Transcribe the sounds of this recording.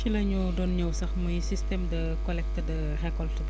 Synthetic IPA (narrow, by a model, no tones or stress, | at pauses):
t͡ʃilɐɲudɔnɲɐwsɐxmujsistɛmdɐ | kɔlɛk̚tɐdɐ | hɛkːɔlsuɡ